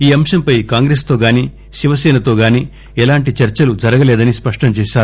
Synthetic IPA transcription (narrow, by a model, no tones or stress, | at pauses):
iːɐmʃɐmpɐjkaːŋɡɾeːst̪o̞ːɡaːniː | ʃiʋɐsɛːnɐt̪o̞ːɡaːniː | ɛlaːɳʈit͡ʃɐɾt͡ʃɐlud͡ʒɐɾɐɡɐlɛːd̪ɐnispɐʂʈɐmt͡ʃɛːʃaːɾu